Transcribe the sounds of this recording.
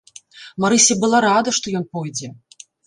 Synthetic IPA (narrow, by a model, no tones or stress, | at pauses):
maɾɨsʲɐbɨlˠaɾad̪ɐʂt̪ɔjɔnpɔjd͡zʲɛ